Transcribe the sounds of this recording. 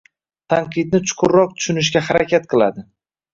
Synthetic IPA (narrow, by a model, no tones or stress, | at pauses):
t̪ʰaɴqʰɨd̪̚nɪt͡ʃʰʊ̥qʰʊɾːɒq̚t̪ʰʊ̥ʃʊnɪʃ̬ɡʲahaɾakʲʰat̪̚qʰɨlˠa̰d̪ɪ